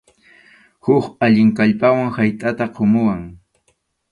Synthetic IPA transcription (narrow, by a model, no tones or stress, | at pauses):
hʊkaʎɪŋkaʎpawaŋhajt̪ʼat̪aqʰomʊwaŋ